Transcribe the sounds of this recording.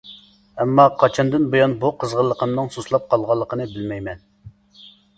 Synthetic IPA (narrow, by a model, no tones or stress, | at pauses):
ɛmːɑqʰɑt͡ʃʰɑnd̪ɨnbojɑnbuqʰəzʁəlˠːəqəmnɨŋsoslˠɑp̚qʰɑlˠʁɑlˠːəqʰənɨbɪlmɛjmɛn